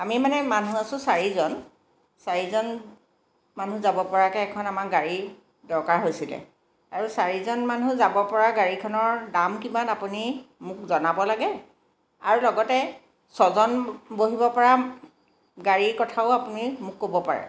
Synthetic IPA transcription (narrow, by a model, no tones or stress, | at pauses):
amimanɛmanuasʊ̃saɹizɔn | saɹizɔn | manuzabɔpɔɹakɛɛkʰɔnamakɡaɹi | dɔɹkaɹɦojsilɛ̰ | aɹusaɹizɔnmanũzabɔpɔɹaɡaɹikʰɔnɔɹdamkimanapunimʊk̚zɔnabɔlaɡɛ | a̰ɹulɔɡɔtɛ | sɔzɔnboɦibɔpɔɹa | ɡaɹikɔtʰaʊapunimʊkːobɔpa̰ɹɛ̰